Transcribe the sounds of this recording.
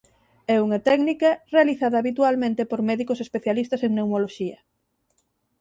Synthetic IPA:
ɛuŋɐt̪ɛknikɐrealiθaðɐːβit̪ualmẽnt̪epoɾmɛðikosespeθjalist̪ɐseŋneuwmoloʃiɐ

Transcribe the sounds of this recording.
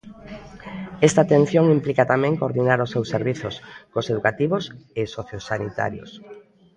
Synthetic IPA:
ɛst̪aːt̪ẽn̟θjoŋimplikat̪amɛ̃ŋkoɾðinaɾosːewsːeɾβiθoskoseðukat̪iβosesoθjosanḭt̪a̰ɾjo̰s

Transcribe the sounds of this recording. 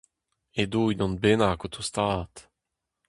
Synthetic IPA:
ed̪uːjd̪ɔnbenakot̪ʰust̪aːt̪

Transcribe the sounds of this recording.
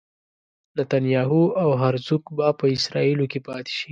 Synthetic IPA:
nat̪anjɑɦuawɦaɾzukbapəɪsɾɑilokepɑt̪e̥ʃi

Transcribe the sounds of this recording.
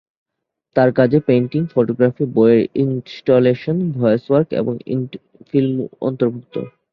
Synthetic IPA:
t̪aɾkad͡ʑʱepeɳʈiŋfoʈoɡɾafibɔeɾinsʈoleʃonbʱɔjoswaɾkḛboŋḭn | filmɔ̰nt̪oɾbʱuk̚t̪o̰

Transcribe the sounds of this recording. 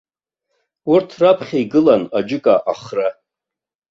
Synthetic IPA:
ʊrtʰrapʰχʲaiɡɨlanad͡ʒɪkʼaʔaχra

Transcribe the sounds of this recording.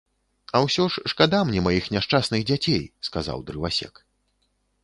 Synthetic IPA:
ɐwsʲɔʂːkad̪amnʲɛmajixnʲaʂt͡ʂasnɨɣd͡zʲat͡sʲejskaza̰wd̪ɾɨvasʲɛ̰k

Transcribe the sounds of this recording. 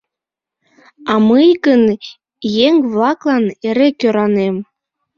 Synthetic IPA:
ɑmɨjɡən | jeŋβlɑklɑneɾekʲøɾɑnem

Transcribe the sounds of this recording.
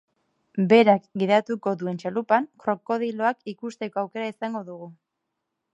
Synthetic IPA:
be̞ɾakɡiðat̪uko̞ðue̞nt͡ʃalupaŋkɾo̞ko̞ðilo̞akikust̪e̞ko̞awke̞ɾaisaŋɡo̞ðuɣu

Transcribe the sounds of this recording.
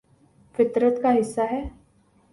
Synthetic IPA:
fɪt̪ɾət̪kaɦɪsːaɦɛː

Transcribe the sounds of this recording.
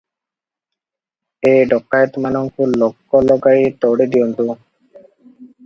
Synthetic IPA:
eɖɔkːajt̪manɔŋkulɔkːɔlɔɡajt̪ɔwɽid̪iɔnt̪u

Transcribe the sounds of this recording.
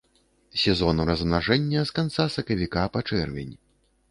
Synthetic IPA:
sʲɛzɔnuɾɐzmnaʐɛnʲːɐskant̪sasɐkɐvʲikapat͡ʂɛrvʲɛ̰nʲ

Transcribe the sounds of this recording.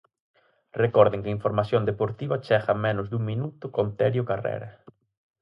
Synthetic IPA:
rekɔɾðɪŋkeiɱfoɾmasjond̪epoɾt̪iβɐt͡ʃɛxɐmenʊzðuŋmĩnut̪ʊkont̪ɛɾjʊkarḛɾɐ

